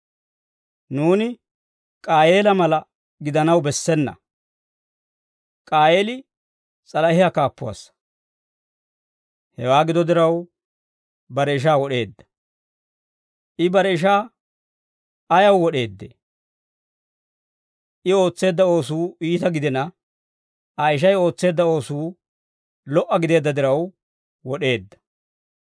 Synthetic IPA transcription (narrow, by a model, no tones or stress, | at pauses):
nuːnɪ | kʼaːjeːlɐmɐlɐ | ɡɪd̪ɐnɐwbɛsːɛnːɐ̰ | kʼaːje̞ːlɪ | t͡sʼɐlɐhɪjakaːpːʊwa̰sːɐ̥ | hɛwaːɡɪd̪ɔd̪ɪɾɐw | bɐɾɛɪʃ̬aːwɔɗe̞ːd̪ːɐ̥ | ʔɪbɐɾɛɪʃ̬aː | ɐjɐwwɔɗe̞ːd̪ːḛ | ʔɪo̞ːt͡sːe̞ːd̪ːɐo̞ːsuːʔiːt̪ɐɡɪd̪ɛnɐ | ɐjʃ̬ɐjo̞ːt͡sːe̞ːd̪ːɐo̞ːsuː | lɔʔːɐɡɪd̪e̞ːd̪ːɐd̪ɪɾɐw | wɔɗe̞ːd̪ːɐ̥